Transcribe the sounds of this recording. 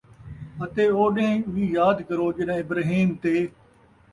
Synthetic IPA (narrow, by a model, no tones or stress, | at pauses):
ət̪eːoːɗẽːʋiːjaːd̪kəɾoːd͡ʒɪnãːɪbɾaːɦiːmt̪eː